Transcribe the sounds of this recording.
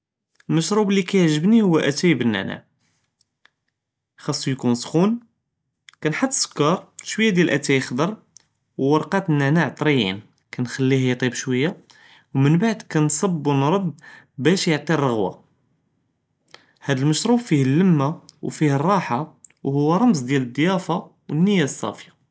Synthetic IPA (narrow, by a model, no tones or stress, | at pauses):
əlməʃɾublːikæjəʕʒəbnihʊwːæʔæt̪æjibənːæ̰ʕna̰ʕ | xɑsˤːjkunsxun | kænħad̪ːsə̥kːɑɾˤʃwəjːad̪jælʔæt̪æjixd̪ɑɾˤ | wwːɑɾˤqɑt̪nːænaʕt̪ˤɾijḭn | kænxælːihjæt̪ˤibʃwəjːa | wmənbaʕd̪kænsˤɑbːwnɾˤɑd̪ | bæʃjəʕt̪ˤirˤəɣwa̰ | hæd̪əlməʃɾubfihəlːəmːawfihərˤːɑħawhʊwːæɾˤɑmzˤd̪jæləd̪ːjæfa | wənːəjːæsˤːɑ̰fja